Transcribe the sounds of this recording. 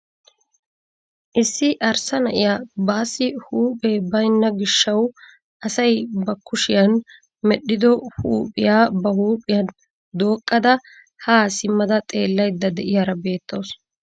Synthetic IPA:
ʔɪsːɪʔɐɾsɐnɐʔɪjaːbaːsːɪhuːpʼeːbɐjnːɐɡɪʃːɐw | ʔɐsɐjbɐkʰːʊʃɪjɐn | mɛɗːɪd̪ɔhuːpʼɪjaːbɐhuːpʼɪjɐn | d̪o̞ːkʼːɐd̪ɐ | haːsɪmːɐd̪ɐt̪ʼe̞ːlːɐjd̪ːɐd̪ɛʔɪjaːɾɐbe̞ːt̪ːo̞ːs

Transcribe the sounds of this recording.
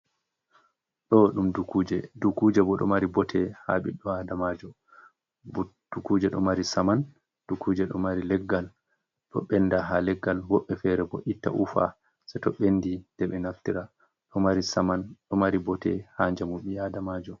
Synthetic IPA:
ɗɔɗumdukuːd͡ʒɛdukud͡ʒɛbɔɗɔ̰maɾibɔtʰɛha̰ɓḭɗɔadamad͡ʒɔ | d̥ukud͡ʒɛɗɔmaɾisaman | d̥ukʰuːd͡ʒɛɗɔmaɾilɛɡːal | ɗɔ̰ɓɛnːdaɦalɛɡːalwɔɓːɛfɛɾɛbɔʔitːa̰ʔufa̰ | sɛtɔɓendid̥ɛɓɛnaftiɾa | ɗɔmaɾisamanɗɔmaɾibɔtɛhaɲd͡ʒamuɓiadamad͡ʒɔ

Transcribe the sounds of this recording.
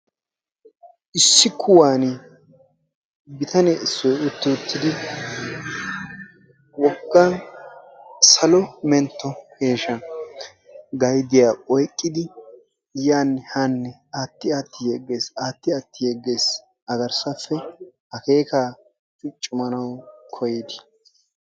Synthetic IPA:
ʔɪsːɪkʰːʊwaːnɪ | bɪt̪ʰɐnɛɪsːɔjʊt̪ːɪʊt̪ʰːɪd̪ɪ | wɔɡːɐ | sɐlɔmɛnt̪ːɔhe̞ːʃɐ | ɡɐjd̪ɪjaːɔjkʼːɪd̪ɪ | jaːnːɛhanːɛ | aːt̪ːɪaːt̪ːɪjeɡːe̞ːsaːt̪ːɪaːt̪ːɪjeɡːe̞ːs | ɐɡɐɾsɐfːɛhɐke̞ːkaː | t͡ʃʊt͡ʃʼːʊmɐnɐwkʰɔjɪd̪ɪ̥

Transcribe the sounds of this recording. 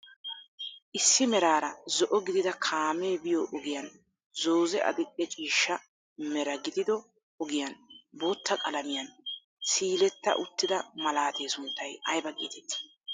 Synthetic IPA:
ʔɪsːɪmɛɾaːɾɐzɔʔɔɡɪd̪ɪd̪ɐkʰaːmeːbɪjoʔɔɡɪjɐn | zoːzɛʔɐ̰d̪ɪʔʼɛt͡ʃʼiːʃːɐ | mɛɾɐɡɪd̪ɪd̪ɔ | ɔɡɪjɐnboːt̪ːɐkʼɐlɐmɪjɐn | siːlɛt̪ːɐ̰ʔʊt̪ːɪd̪ɐmɐlaːt̪ʰe̞ːsʊnt̪ːɐjɐjbɐkʼḭːt̪ʰɛt̪

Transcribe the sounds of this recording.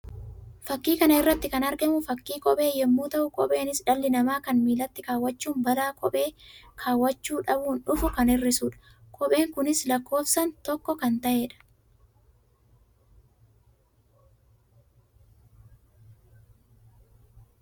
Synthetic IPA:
fɐkːiːkɐnɐɪrːɐt̪ːɪkɐnɐɾɡɛmʊfɐkːiːkʼɔɓʼe̞ːjɛmːuːt̪ɐʔʊkʼɔpʼe̞ːnɪsᶑɐlːɪnɐmaːkɐnmiːlɐt̪ːɪkaːwːɐt͡ʃːuːmbɐlaːkʼɔɓe̞ːkʰaːwːɐt͡ʃːuːᶑɐbuːnᶑʊfʊkɐnɪrːɪsuːᶑɐ̥ | kʼɔɓe̞ːŋkʊnɪslɐkːo̞ːfsɐnt̪ɔkːɔkɐnt̪ɐʔe̞ːᶑɐ̥

